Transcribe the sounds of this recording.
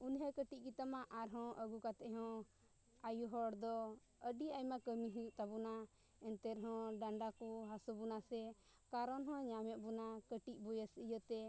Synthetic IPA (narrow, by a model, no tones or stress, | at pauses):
unɦɛkəʈic̚kit̪amaʔaɾɦɔ̃ʔəɡukat̪ɛʔɦɔ̃ | ajuɦɔɽd̪ɔ | əɖiajmakəmiɦit̪abuna | ɛnt̪ɛɾɦɔ̃ɖaɳɖakuɦasubunasɛ | kaɾɔnɦɔ̃ɲamɛʔ̚bunakəʈic̚ˀbujəsəjət̪ɛ